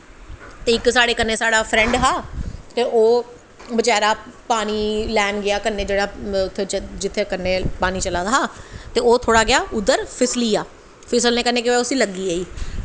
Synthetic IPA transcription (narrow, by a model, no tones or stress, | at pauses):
t̪eːɪksaːɽeːkənːeːsaːɽaːpʰɾɛ̃ɳɖɦaːt̪eːʔoː | bət͡ʃaːɾaːpaːñiːlɛːmɡɪaːkənːeːd͡ʒeːɽaːʊt̪ʰːeːd͡ʒɪt̪ʰːeːkəɾneːpaːniːt͡ʃəlaːd̪aːɦaːt̪eːoːt̪ʰoːɽaːɡɪaːʔʊd̪əɾpʰɪsliːaː | pʰɪsəlnẽːkənːeːkɪʋeʊsĩːləɡːiːaːiː